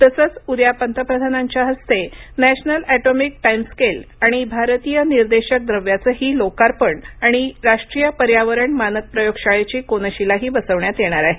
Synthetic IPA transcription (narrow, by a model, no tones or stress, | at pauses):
t̪əsət͡suɾjapənt̪əpɾəd̪ʱanaɲt͡ɕjaɦəst̪enæɕnəlæʈomik̚ʈajmskelaɽ̃ibʱaɾt̪ijəniɾd̪eɕək̚d̪ɾəʋjat͡səɦiːlokaɾpəɳaɽ̃iɾaʂʈɾijəpəɾjaʋəɾəɳmanək̚pɾəjoɡɕaɭet͡ɕiːkonəɕilaɦiːbəsəʋɳjat̪jeɽ̃aɾaɦe